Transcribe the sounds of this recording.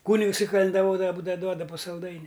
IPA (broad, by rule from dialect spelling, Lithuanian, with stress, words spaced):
ˈkuːnʲɪks ɪ kɐlʲɛndɐˈʋoːdɐʋɐ ˈbuːdɐʋɐ ˈduɔdɐ pʊ sɐlˠˈdɐɪnʲɪ